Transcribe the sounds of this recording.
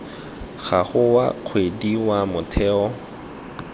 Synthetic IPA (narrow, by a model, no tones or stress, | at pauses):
ɣaχʊwa̰q͡χʰwediwamʊtʰɛːɔ